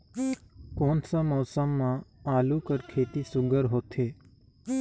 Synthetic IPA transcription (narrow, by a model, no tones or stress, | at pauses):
koːnsamɔːsəmːãaːlukəɾkʰeːt̪isʊɡʱəɾɦoːt̪ʰeː